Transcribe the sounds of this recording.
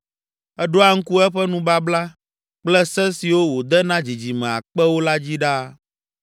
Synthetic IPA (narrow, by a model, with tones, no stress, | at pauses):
ɛ˦ɖo˦a˨ŋ̩˦ku˦ɛ˦ɸɛ˦nũ˦ba˦bla˦ | k͡plɛ˦sɛ˦si˨wo˦wo˨d̪ɛ˦nã˦d͡ʑi˨d͡ʑi˨mɛ̃˨a̰˨k͡pɛ˦wo˦la˦d͡ʑi˦ɖa˦